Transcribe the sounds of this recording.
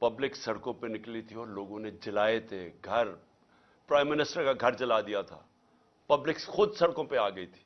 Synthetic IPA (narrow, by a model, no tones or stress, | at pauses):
pɐblɪksɐɽkõpenɪklit̪ʰiɔːɾloːɡõned͡ʒɪlaːet̪ʰeɡʱɐɾ | pɾaːɪ̃mːɪnɪsʈəɾkaɡʱɐɾt͡ʃɐlad̪ijat̪ʰa̰ː | pɐblɪksxʊd̪sɐɽkõpeaːɡɐit̪ʰi̥ː